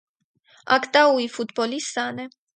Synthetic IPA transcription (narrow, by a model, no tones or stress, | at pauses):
a̰kt̪ʼauifut̪bɔlisanɛ